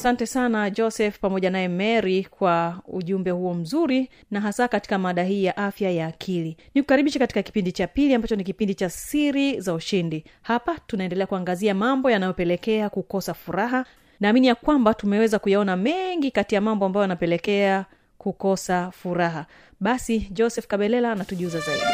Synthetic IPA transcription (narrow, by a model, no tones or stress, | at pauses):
asantɛsanad͡ʒɔsɛfpamɔʄanajɛmɛɾikwaṵʄumbɛhuɔm̩zuɾi | naɦasakati̥kamaɗaɦiːjaʔafjajaːkʰilinikukaɾiɓiʃɛkati̥kaki̥pindit͡ʃapiliambat͡ʃɔnikipindit͡ʃasiɾizauʃindihapatunaɛndɛlɛakuaŋɡaziamambɔjanajɔpɛlɛkɛakukɔsafuɾaɦa | naːminijakwambatumɛwɛzakujaɔnamɛŋɡikatijamambɔambajɔjanapɛlɛkɛa | kukɔsafuɾaɦa | ɓasid͡ʒɔsɛfkaɓɛlɛlaːnatuʄuzazaiɗi